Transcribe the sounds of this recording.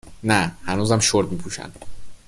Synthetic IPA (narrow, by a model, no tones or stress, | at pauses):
næhænuːzæmʃoɾd̪miːpʰuːʃæ̰n